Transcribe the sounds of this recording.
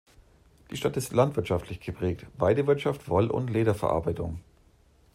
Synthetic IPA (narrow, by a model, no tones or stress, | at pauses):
d̥iːʃtatɪstlantv̥ɪɐtʃaftʰlɪçɡ̥əpʁ̥ɛːk̚tv̥aɪdəvɪɐtʃaftv̥ɔlʔʊ̰ntleːɾɐfɛɐʔa̰ɐbaɪtʊŋ